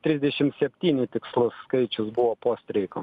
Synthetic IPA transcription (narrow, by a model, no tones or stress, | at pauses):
t̪ʲɾʲɪzʲd̪ʲɛʃʲɪmtsʲɛpʲt̪ʲiːnʲɪt̪ʲɪkslˠʊskɐɪt͡ʃʲʊsbʊʋopoːsʲt̪ʲɾʲɛɪko